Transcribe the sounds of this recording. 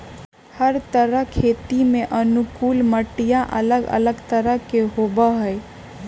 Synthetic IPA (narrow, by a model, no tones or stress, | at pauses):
həɾt̪əɾəɦkʰet̪imẽʔənukulməʈijãʔə̰ləɡə̰ləɡt̪əɾəɦkeɦobəɦəj